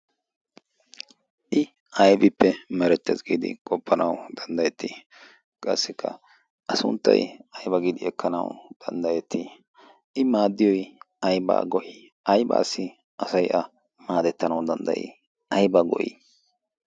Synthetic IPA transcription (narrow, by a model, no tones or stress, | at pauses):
ʔɪ | ɐjbɪpːɛmɛɾɛt̪ːɛzɡiːd̪ɪ̰kʼɔpːɐnɐwd̪̥ɐnd̪ɐjɛt̪ːi | kʼɐ̰sːɪkʰːɐ̰ | ʔɐsʊ̰nt̪ːɐ̰jɐjbɐɡid̪ɪɛkːɐnɐ̰wd̪̥ɐnd̪ɐjɛt̪ːi | ʔɪmaːd̪ːɪjɔj | ɐjba̰ːɡɔʔɪ | ɐjba̰ːsːɪ | ʔɐsɐjʔɐ | maːd̪ɛt̪ːɐnɐwd̪ɐnd̪ɐ̰jɪ̰ | ɐjbɐɡɔ̰ʔɪ̰